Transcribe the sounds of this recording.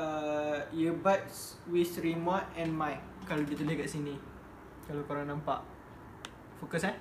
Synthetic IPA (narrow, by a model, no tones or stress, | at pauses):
əjəbats | wisɾimɔtɛ̃nmãj | kalodit̪əlehkaʔsinĩ | kalakoɾaŋnãmpa̰ʔ | fokəsan